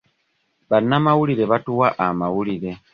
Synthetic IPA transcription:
βanːamawulile̞βatuwaʔamawulile̞

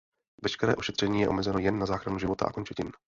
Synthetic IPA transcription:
vɛʃkɛɾɛːʔoʃɛt̪r̝̥ɛɲiːjɛʔo̞mɛzɛno̞jɛnːazaːxɾanuʒɪvo̞t̪a̰ʔa̰kont͡ʃɛcɪn

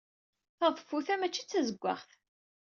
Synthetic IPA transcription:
θəðˤfːuθæmæt͡ʃːit͡sːæzəɡʷːa̰χθ

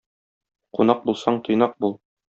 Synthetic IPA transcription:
qunɑq̚bulˠsɑɴt̪ŏjnɑq̚bulˠ

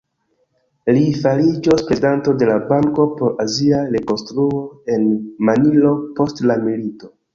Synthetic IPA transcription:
lifalid͡ʒospɾe̞zidanto̞de̞labaŋko̞po̞ɾʔaziaɾe̞ko̞nstɾuo̞e̞nmanilo̞po̞stlamilito̞

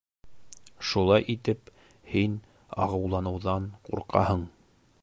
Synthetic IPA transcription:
ʃulˠɑjʔit̪ɘp | hin | ɑ̰ʁɤ̆wlˠɑnɤ̆wðɑɴqṵɾqɑ̰hɤɴ

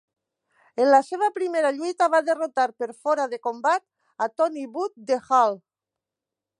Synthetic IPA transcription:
enlaseβ̞apɾimeɾaʎuijt̪aβaðerot̪aɾpeɾfoɾaðekombat̪̚ | at̪ɔniβut̪̚d̪exal

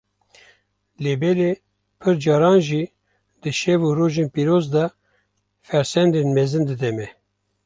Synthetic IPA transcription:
leːbɛle | pʰɨɾd͡ʒɑːɾɑːnʒiː | d̪̥ɨʃɛvuɾoːʒenpiːɾoːzd̪ɑ | fɛɾsɛnd̪enmɛzɨnd̪ɨd̪ɛmɛ

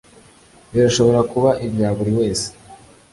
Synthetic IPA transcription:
βiɾaʃo̞βo̞ɾakuβaʔibjaːβuɾiwe̞ːse̥

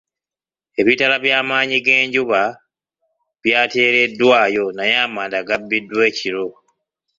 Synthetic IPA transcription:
e̞βitalaβjaːmaːɲiɡe̞ːɲɟuβa | βjaːte̞ːɾe̞dːwaːjo̞najaːmaːndaɡabːidːwe̞ːciɾo̞

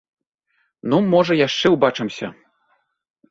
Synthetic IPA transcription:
numɔʐɐjaʂt͡ʂɛwbat͡ʂɨmsʲɐ̰

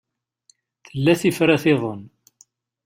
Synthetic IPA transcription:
θəlːæθifɾaθɪðˤon

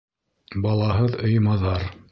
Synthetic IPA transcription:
bɑlˠɑɦɤðɤ̆jmɑðɑɾ

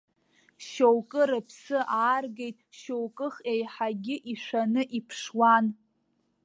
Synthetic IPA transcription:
ʃowkʼɨɾɨpʰsɨʔaːrɡejtʼʃowkʼɨχejħaɡʲɪʔiʃʷanɨʔipʰʂwan

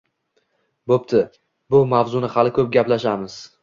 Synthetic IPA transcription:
bopt̪ʰɪ | bʊmavzʊnɪhalɪkʰʲɵp̚ɡʲaplaʃamɪz̥

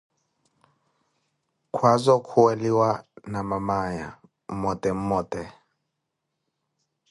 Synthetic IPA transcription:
kʰwazɔkʰuwɛliwanamamaɲa̰ | m̩mɔtʼɛm̩mɔtɛ

